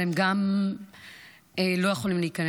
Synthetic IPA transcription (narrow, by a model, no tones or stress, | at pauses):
emɡam | elo̞jeχolimliiːkɐn